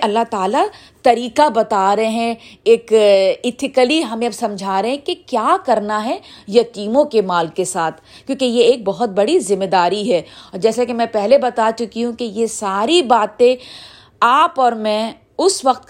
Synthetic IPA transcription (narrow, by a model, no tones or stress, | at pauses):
ɐlːaɦt̪aːla | t̪ɐɾiːkabɐt̪aɾɐɦeɦɛ̃eːkɪt̪ʰɪkəliɦɐmẽɐbsɐ̃md͡ʒʱaːɾɐɦɛ̃kekjaːkɐɾnaɦɛjɐkiːnõkemaːlkesaːt̪ʰkjõːkejeeːk̚bɐɦʊt̪̚bɐɽizɪmːed̪aːɾiɦɛːɔːɾd͡ʒɛːsakemɛ̃pɛɦlebɐt̪at͡ʃʊkiɦũkejesaːɾibaːt̪ẽ | aːpɔːɾmɛ̃ | ʊsʋɐqt̪̚